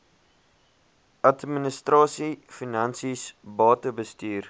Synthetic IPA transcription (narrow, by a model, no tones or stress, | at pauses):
ɐtminəstrɑːsifinɐnsisbɑːtəbəstyːr